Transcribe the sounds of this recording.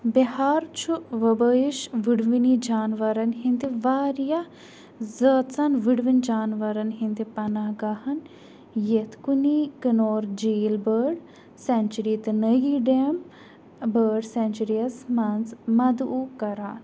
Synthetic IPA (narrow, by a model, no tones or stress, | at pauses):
bihaːɾt͡ʃʰuʋɐbəiʃʋiɽʋinid͡ʒaːnʋɐɾɐnhind̪iʋaːɾja | zəːt̪t͡sɐnʋiɽʋind͡ʒaːnʋɐɾɐnɦind̪ipɐnaɡahɐn | jet̪kunikənoːɾd͡ʒeːlbəːɖ | sɛnt͡ʃuɾiːt̪nəjiɖem | bəːɖsɛnt͡ʃuɾijɐsmɐnzmɐd̪ʔukɐɾaːn